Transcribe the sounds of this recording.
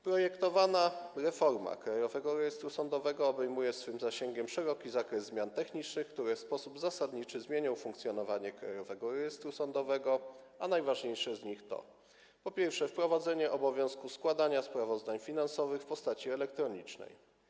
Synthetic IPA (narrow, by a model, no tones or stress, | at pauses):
pɾɔjɛkt̪ɔvanaɾɛfɔɾma̰kɾajɔvɛɡɔɾɛjɛst̪ɾusɔnd̪ɔvɛɡɔːbɛjmujɛsfɘmzaɕɛŋɡʲɛmʂɛɾɔkʲizakɾɛzːmʲjant̪ɛxɲit͡ʂnɘxk̚t̪uɾɛfspɔsubzasad̪ɲit͡ʂɘzmʲjeɲɔwfuŋkt̪sʲjɔnɔvaɲɛkɾa̰jɔvɛɡɔɾɛjɛst̪ɾusɔnd̪ɔvɛɡɔanajvaʐɲejʂɛzɲixt̪ɔ̰ | pɔpʲjɛɾfʂɛfpɾɔvad̪zɛɲɛʔɔbɔvʲjɔ̃w̃skuskwad̪aɲaspɾavɔzd̪aɲfʲinansɔvɘxfpɔst̪at͡ɕiɛlɛkt̪ɾɔɲit͡ʂnɛ̰j